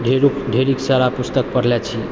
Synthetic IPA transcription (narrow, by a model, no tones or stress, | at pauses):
ɖʱeɾukɖʱeɾiksaɾapust̪ək̚pəɾlet͡ʃʰi